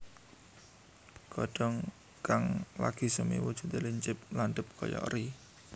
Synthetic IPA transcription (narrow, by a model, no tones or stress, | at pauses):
kɔɖ̥ɔŋ | kaŋla̰ɡ̥i̤səmḭwud̥ʒ̥ṳt̪eliɲt͡ʃɪp̚lanɖ̪əp̚kɔ̰jɔ̰ɾi